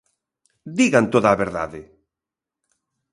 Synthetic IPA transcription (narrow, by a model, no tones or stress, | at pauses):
d̪iɣant̪oðaːβeɾða̰ðe